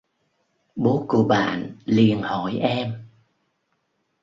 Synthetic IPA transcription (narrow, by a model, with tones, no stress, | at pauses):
ɓo˨˦ku˧˩əɓa̰ː˧˨nli˨˩ənhɔ˧˩jʔɛ˧m